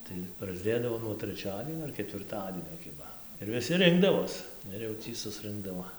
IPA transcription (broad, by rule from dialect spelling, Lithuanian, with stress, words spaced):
tɐɪ prɐzʲˈdʲeːdɐʋoː nuɔ tʲrʲɛˈt͡ʃʲæːdʲiɛnʲoː ɐr kʲɛtʲʋʲɪrˈtɑːdʲiɛnʲoː ˈkʲɪbɐ ɪr ʋʲɪˈsʲɪ ˈrʲɪŋɡdɐʋoːs ˈɪr jɛʊ ˈtʲiː sʊsˈrɨŋɡdɐʋoː